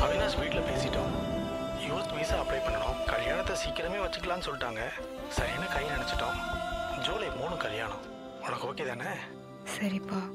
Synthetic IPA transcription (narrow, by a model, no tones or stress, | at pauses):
ɐʋɪnaːspiːʈɪlɐpeːsɪʈːõː | juːɾt̪ʋiːsaːɐpːlɐɪpɐɳːɐɽʊ̰̃kɐljaːɳɐt̪ːɐsiːkɪɾɐmeːʋɐt͡ʃːɯkːlãːnːɯsɔlːɪʈːaːŋɡɐ | sɐɾɪjɐnːɯkɐjlnɪɳɛt͡ʃːɪ̥ʈːõːd͡ʒoːlɐpoːɳʊ̃kɐlja̰ːɳɐ̰̃ | ʊnɐkːɯoːkeːt̪aːnɐ | sɐɾipaː